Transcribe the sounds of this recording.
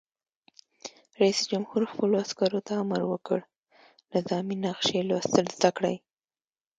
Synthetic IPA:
ɾaisd͡ʒamhuɾxpəloaskɑɾot̪aːmaɾwəkə̰ɽ | lazɑminaqʃelast̪əlzd̪akɽaj

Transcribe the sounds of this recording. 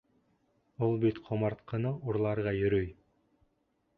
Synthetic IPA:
ulˠbit̪qʰomɑɾt̪qɤ̆nɤʔuɾlˠɑɾʁɑjɵ̆ɾɵj

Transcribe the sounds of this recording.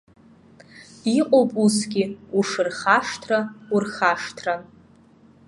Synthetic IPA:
iqʷʼowpʼusɡʲɪuʂɨrχaʂtʰraurχaʂtʰran

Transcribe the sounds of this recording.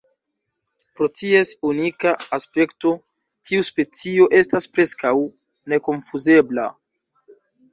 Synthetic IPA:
pɾo̞tie̞sunikaːspe̞kto̞ | tʰiuspe̞t͡sio̞ʔe̞staspɾe̞skaw | ne̞ko̞nfuze̞bla̰

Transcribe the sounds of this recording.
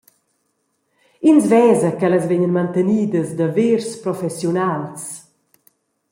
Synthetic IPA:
inzvɛːzəkɛləzvɛɲənmant̪əniːd̪əsd̪əveɾspɾɔfɛsjunals

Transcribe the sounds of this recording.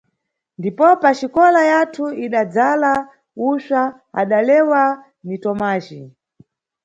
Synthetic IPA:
ndipɔpaʃikɔlajatʰuiɗad͡zala | uʃa | a̰ɗalɛwa | nitɔmaːʒi

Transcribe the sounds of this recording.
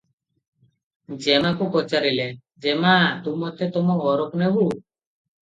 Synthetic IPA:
d͡ʒɛmakukɔt͡ʃaɾile | d͡ʒɛmat̪umɔt̪ʰet̪ɔmɔɔɾɔknɛbu

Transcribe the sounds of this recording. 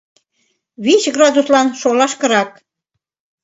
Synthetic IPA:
βiɕɡrɑd̪uslɑnʃolɑʃkə̆ɾɑk̚

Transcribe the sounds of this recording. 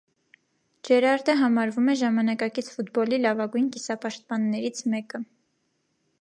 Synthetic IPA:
d͡ʒɛɾɑɾd̪əɦɑmɑɾvumɛʒɑmɑnɑkɑkit͡sʰfut̪bɔlilɑvɑɡujnkisɑpɑʃt̪̚pɑnːɛɾit͡sʰmɛkə

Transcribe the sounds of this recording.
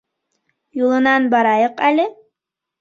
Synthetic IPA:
julˠɤ̆nɑnbɑɾɑjɤqælɘ

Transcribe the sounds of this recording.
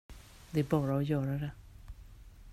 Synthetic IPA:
d̪ɛæɾbɑːɾaɔjœːɾad̪ɛ

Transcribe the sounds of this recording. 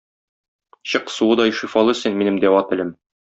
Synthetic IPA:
ɕɤqsuɤd̪ɒjʃifɑlˠɤ̆sɘnminɘmd̪æwɑt̪ɘ̆lɘm

